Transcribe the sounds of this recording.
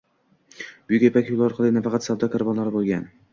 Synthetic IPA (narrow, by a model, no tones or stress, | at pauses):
b̥ʊjɪkʲepʰakʲulˠaɒɾqʰɑlˠɪnafɑqɑt̪sawd̪ɒkʰoɾbɒnlˠaɾɪbolˠɡʲan